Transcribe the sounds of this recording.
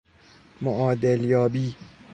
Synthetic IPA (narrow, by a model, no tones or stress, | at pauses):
moʔɒːd̪eljɒːbiː